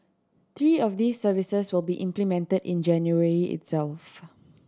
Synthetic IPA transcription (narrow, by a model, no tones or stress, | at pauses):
t̪ɹiːɔfd̪iːsːəvisəswɪlˠbiʔɪ̃mplimɛ̃ntədɪ̰̃nd͡ʒɛ̃njuəɹiʔɪ̰tsɛlf